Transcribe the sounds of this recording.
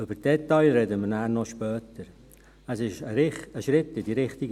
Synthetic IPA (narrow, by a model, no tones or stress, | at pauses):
ʏbəɾd̥ɛtɑɪlɾɛdəmənæːnɔʃpœːtəɾ | əsɪʃəɾɪχəʃɾɪtːɪdiɾɪχtɪɡ